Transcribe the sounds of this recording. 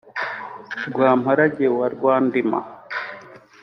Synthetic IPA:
ɡwaːmhaɾaɟewaɾɡwaːndima̰

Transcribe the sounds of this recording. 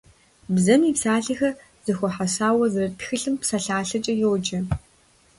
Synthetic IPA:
bzɐmiːpsaːɬixɐ | z̥ɨxʷɔħasaːwɐzɨrɐtxɨɬɨmpsaɬaːɬɐt͡ʃʼɐjowd͡ʒɐ

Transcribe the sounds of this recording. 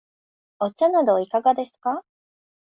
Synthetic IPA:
ot͡ɕanad̪o̞ikaɡad̪e̞sɨ̥ka

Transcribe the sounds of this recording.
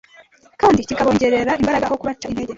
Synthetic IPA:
kaːndicikaβo̞ːɲɟe̞ɾe̞ɾaimbaɾaɡakokuβat͡ʃːaineɟe

